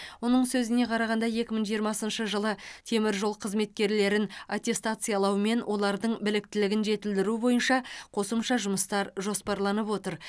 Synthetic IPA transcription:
wo̞nəɴsɵzɪne̞qʰɑɾɑʁɑnd̪ɑje̞kʲɪməɴʒijəɾmɑsənʃəʒəlˠət̪ʰe̞mɪɾʒo̞lˠqʰəzme̞t̪̚kʲe̞ɾle̞ɾɪnat̪ʲe̞st̪at̪sɨjɑlˠɑwme̞nwʔo̞lˠɑɾd̪əɴbɪlɪk̚t̪ɪlɪɡʲɪnʒe̞t̪ɪld̪ɪɾubo̞jənʃɑqʰo̞səmʃɑʒʊməst̪ɑɾʒo̞spɑɾlˠɑnəpwo̞t̪əɾ

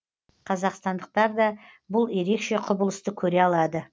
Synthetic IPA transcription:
qʰɑzɑqst̪ɑnd̪əq̚t̪ɑɾd̪ɑbʊlˠje̞ɾe̞kʃe̞qʰʊbəlˠəst̪əkʲʰɵɾe̞ɑlˠɑd̪ə

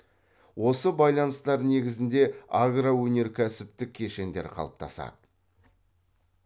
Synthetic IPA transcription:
wo̞səbɑjlˠɑnəst̪ɑɾne̞ɡʲɪzɪnd̪e̞aɡrawɵne̞ɾkʲʰæsɪpt̪ɪkʲʰːe̞ʃe̞nd̪e̞̰ɾqʰɑ̰lˠə̥p̚t̪ʰɑsɑ̰d̪ə

